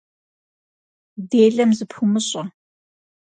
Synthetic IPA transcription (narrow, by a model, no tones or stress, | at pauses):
deːɮɐmzɨpʰumɨɕʼɐ